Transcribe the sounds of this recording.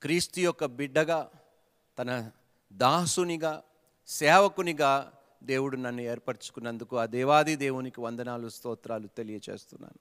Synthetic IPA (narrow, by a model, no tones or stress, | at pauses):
kɾiːst̪ujɔkːɐbiɖːɐɡaː | t̪ɐnɐ | d̪aːsuniɡaː | sɛːʋɐkuniɡaː | d̪e̞ːwuɽunɐnːue̞ːɾpɐɾt͡ʃu̥kunːɐnd̪ukuɐd̪ɛːʋaːd̪id̪e̞ːwunikiʋɐnd̪ɐnaːlust̪ɔːt̪ɾaːlut̪e̞lijɐt͡ʃeːst̪unːa̰ːnu